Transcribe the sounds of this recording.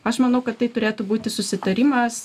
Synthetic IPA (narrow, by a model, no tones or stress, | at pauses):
ɐʃmɐnɐʊkɐt̪t̪ːɐɪt̪ʊɾʲeːt̪ʊbuːt̪ʲɪsʊsʲɪt̪ɐɾʲɪmɐs